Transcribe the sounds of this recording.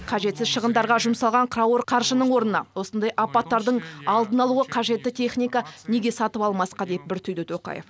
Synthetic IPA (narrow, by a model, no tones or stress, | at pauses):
qʰɑʒe̞t̪sɪzʃəʁənd̪ɑɾʁɑʒʊmsɑlˠʁɑɴqʰraoɾqʰɑɾʒənəɴwo̞ɾnənɑ̰wo̞sənd̪ɑjʔɑpɑt̪ːɑɾd̪əɴɑlˠd̪ənɑlˠuəqʰɑʒe̞t̪ːɪt̪ʲʰe̞χnʲijkane̞ɡʲe̞sɑt̪əpɑlˠmɑsqɑd̪ep̪̚bɪɾt̪ʰʏjd̪ɪt̪ʰo̞qɑ̰jef